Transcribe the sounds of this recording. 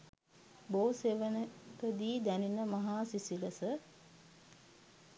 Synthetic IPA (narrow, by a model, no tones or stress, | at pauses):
boːseːʋənəkəd̪iːd̪æninəmaɦaːsisiləsə